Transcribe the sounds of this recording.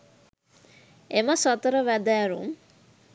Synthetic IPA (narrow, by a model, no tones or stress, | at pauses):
eməsɔt̪əɾəʋæd̪æːɾṵm